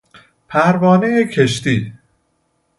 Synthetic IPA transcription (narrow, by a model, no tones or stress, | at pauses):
pʰæɾvɒːnejecʰeʃt̪iː